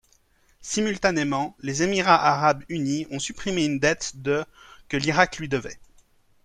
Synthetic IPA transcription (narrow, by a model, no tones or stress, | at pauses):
simylt̪anemɑ̃lezemiʁaʔaʁabyniɔ̃sypχimeynd̪ɛt̪d̪əkəliʁaklɥid̪əvɛ